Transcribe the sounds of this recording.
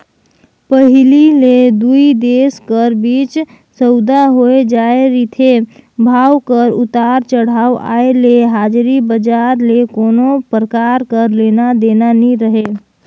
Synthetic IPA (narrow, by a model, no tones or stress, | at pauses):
pəɦɪliled̪uid̪eskəɾbiːt͡ʃ | səʊd̪aɦoed͡ʒaeɾit̪ʰebʱaːwkəɾʊt̪aɾt͡ʃəɽ̤awa̰eleeɦaːd͡ʒɾibəd͡ʒaɾlekoːnopɾəkaɾkəɾlenad̪enaniɾəɦe